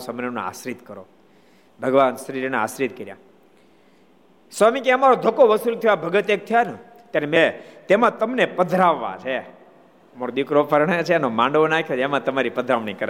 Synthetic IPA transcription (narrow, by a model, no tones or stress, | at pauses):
səmneno̰a̰sɾit̪kəɾo | bʱəɡʋansəɾiɾnea̰sɾit̪kəɾja̰ | samikeəmaɾod̪ʱəkoʋəsult̪ʰiʋabʱəɡət̪ek̚t̪ʰijanũ | t̪jaɾemet̪emãt̪əmnepəd̪ʱɾaʋːa̰t͡ʃʰe | moɾod̪ikɾopʰəɾɳet͡ʃʰenomãɳɖʋonakʰjod͡ʒemãt̪əmaɾipəd̪ʱɾaʋnikəɾ